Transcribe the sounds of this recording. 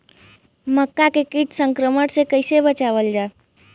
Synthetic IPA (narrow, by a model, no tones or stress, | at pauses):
məkːakekiʈsəŋkɾəməʈsẽkəɪsebət͡ʃaβəld͡ʒae